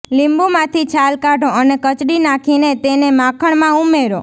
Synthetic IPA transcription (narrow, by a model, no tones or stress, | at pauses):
limbumãt̪ʰit͡ʃʰalkaɖoənekət͡ʃɽinakʰinet̪enemãkʰəɳmãumeɾo